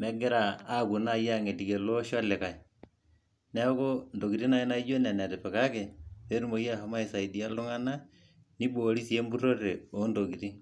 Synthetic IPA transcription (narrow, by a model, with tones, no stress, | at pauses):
mɛ˦ɡɪ˦ɾa˨a˦ku˨na˦˨ja˦ŋe˨ti˨ke˨lo˦ʃɔ˦lɪ˨ka˨ɪ˨ | nɛ˦ko˦ndo˨ki˨ɾi˦na˦ɪ˦na˦i˦d͡ʒo˦nɛ˨na˨tɛ˨pɛ˨ka˦ke˨pe˦ɾu˦mo˨ja˦ha˦ma˦ɪ˨sa˨i˨di˨a˦lʊ˦ŋa˦na˦ | ni˦bo˨ɾi˦si˨e˦mbu˦ɾo˦ɾe˨o˨˦ndo˨ki˨ɾi˦